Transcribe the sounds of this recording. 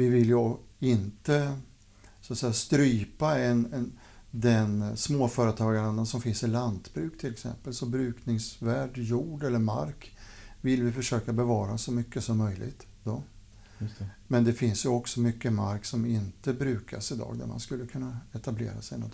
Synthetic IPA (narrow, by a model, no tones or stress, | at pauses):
vɪvɪljəɪnt̪ə | sat̪sɛjːast̪ɾyːpaɛnɛn | d̪ɛnsmoːfœːɾət̪ʰɑːɡaɾənd̪ənsɔmfɪnsɪland̪bɾʉ̟ːkt̪ʰɪlːɛksɛ̰mpəlsɔbɾʉ̟ːknɪŋsvæːɖjuːɖɛlːəɾma̰ɾk | vɪlvɪfœʂøːkabɛvɑːɾasɔmʏkːəsɔmːœjlɪ̰ɡt̪ | d̪̥ɔ | mɛnd̪ɛfɪnsjɵɔksɔmʏkːəma̰ɾksɔmɪnt̪əbɾʉ̟ːka̰sɪd̪ɑ̰ːɡd̪æ̰ɾma̰nskɵlːəkʰɵnːaɛt̪ablḛːɾa̰sɛjnɔ̰t̪